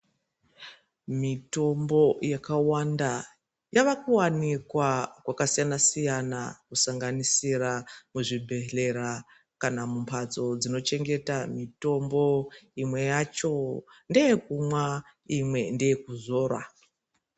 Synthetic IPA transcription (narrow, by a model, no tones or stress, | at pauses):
mito̞mbo̞jakawanda | jaʋakuwanikwakwakasijanasijanakusaŋɡanisiramuʐibʱe̞ɬe̞ɾa | kanamumpʰat͡so̞d͡zino̞t͡ʃe̞ŋɡe̞tamito̞mbo̞imwe̞jat͡ʃo̞nde̞jekumwa | imwe̞ndejekuzo̞ːrwa̰